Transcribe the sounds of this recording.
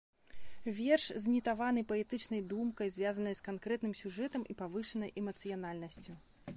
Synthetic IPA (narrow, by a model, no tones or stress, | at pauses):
vʲɛrʂzʲnʲit̪avanɨjpɐɛt̪ɨt͡ʂnɐjd̪umkɐjzʲvʲazɐnɐjskankɾɛt̪nɨmsʲuʐɛt̪ɐmʔipavɨʂɐnɐjʔɛmɐt̪sɨjan̪alʲnɐsʲt͡sʲu